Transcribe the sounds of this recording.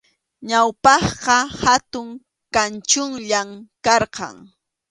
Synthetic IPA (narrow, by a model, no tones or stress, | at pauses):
ɲawpɑχqɑhat̪ʊŋ | kant͡ʃʊŋʎamkɑɾqɑ̰ŋ